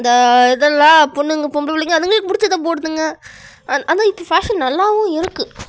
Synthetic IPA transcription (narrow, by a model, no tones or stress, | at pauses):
nd̪ɐɛðɐlːãːpɔɳːɯŋɡɐpɔmblɐpɐlːiŋɡɐːðɯŋɡɐɭkːpʊɽɪt͡ʃːɐðɐ̃p̬oːɽɯt̪ːɯŋɡɐ | ɐʔɐnãːɪpːofaːʂɐnnɐlːaːʋʊ̃ɪɾɯkːɯ